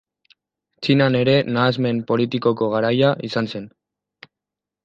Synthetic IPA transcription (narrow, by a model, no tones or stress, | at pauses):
t͡ʃinane̞ɾe̞naːzme̞mpo̞lit̪iko̞ko̞ɣ̞aɾajaʔisanse̞n